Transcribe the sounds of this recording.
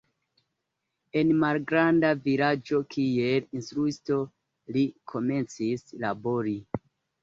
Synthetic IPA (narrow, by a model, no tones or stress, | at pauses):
e̞nmalɡɾandavilad͡ʒo̞kʰie̞linstɾuisto̞ | likʰo̞me̞nt͡sislabo̞ɾi